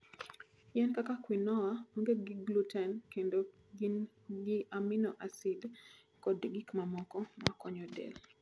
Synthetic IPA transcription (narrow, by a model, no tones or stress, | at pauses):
jɛnkakakwinɔwamoŋɡeɡɪɡlutɛnkendo | ɡin | ɡɪaminɔʔasid | kɔdɡikmamɔkɔma̰kɔɲɔdɛ̰l